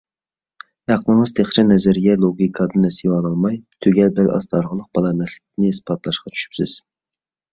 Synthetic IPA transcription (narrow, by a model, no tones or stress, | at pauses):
ɑqəlˠəɴəz̥t̪ʰeχt͡ʃʰɛnɛzɛɾɡʲɛlˠoɡʲikʰɑd̪ɨnnɛsiwɑlˠɑlˠmɑjt̪ʰøɡʲɛlbɛlɑ̰st̪ɑɾʁəlˠəq̚b̥ɑlˠɑmɛslɪkʲit̪ʰɪnɪɪspɑt̪lˠɑʃqɑt͡ʃʰy̥ʃy̥psɪz̥